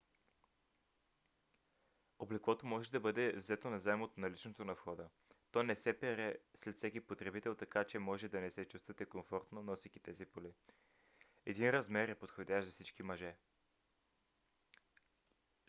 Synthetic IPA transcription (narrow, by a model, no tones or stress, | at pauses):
oblɛkvɔt̪omɔʒɛd̪ɐbɤd̪ɛvzɛt̪onɐzaɛmot̪onɐlit͡ʃnot̪onɐfxɔd̪ə | t̪ɔnɛsɛpɛɾɛslɛt̪fsɛkipot̪ɾɛbit̪ɛlˠt̪ɐkat͡ʃɛmɔʒɛd̪ɐnɛsɛt͡ʃust̪vɐt̪ɛkoɱfɔɾt̪nonɔsikit̪ɛzipoli | ɛd̪inɾɐzmɛɾɛpot̪xod̪ʲaʃzɐsit͡ʃkimɐʒɛ